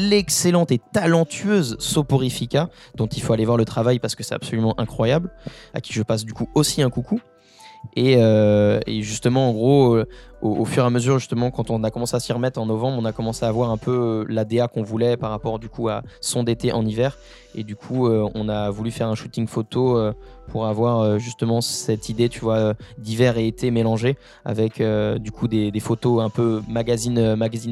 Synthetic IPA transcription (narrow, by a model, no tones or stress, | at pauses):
lekselɑ̃t̪et̪alɑ̃t̪ʰyøzsopoʁifikʲad̪̥ɔ̃t̪ilfoalevwaʁlət̪χavajpaʁsə̥kəsɛt̪apsolymɑ̃ʔɛ̃kχwajabla̰kʲi̥ʒəpas̬d̪ykuosiɛ̃kuku | eøḛʒyst̪əmɑ̃ːɡʁooofyʁeaməzyʁʒyst̪əmɑ̃kɑ̃t̪ɔ̃nakɔmɑ̃seasiʁəmɛt̪χɑ̃nɔvɑ̃bʁɔ̃nakɔmɑ̃seavwaʁɛ̃pʰølad̪eakɔ̃vulɛpaʁːapɔʁd̪ykʰua̰sɔ̃d̪et̪eʔɑ̰̃nivɛʁ | ed̪ykʰuøɔ̰̃navulyfɛʁɛ̃ʃut̪iŋfot̪oøpʰuʁavwaʁøʒyst̪əmɑ̃sɛt̪ʰid̪et̪ʰyvwaød̪ivɛʁeːt̪ʰemelɑ̃ʒe | a̰vɛkʰød̪ykʰud̪ed̪efot̪oɛ̃pømaɡazinømaɡazin